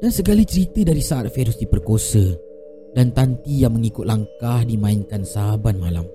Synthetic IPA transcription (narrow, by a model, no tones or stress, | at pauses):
dansəɡalit͡ʃəɾit̪ədaɾisaʔat̪̚feɾʊsdipərkosə | dant̪ant̪ijaŋmə̃ŋikʊt̪̚laŋkahdimãɪnkansabat̪̚mala̰m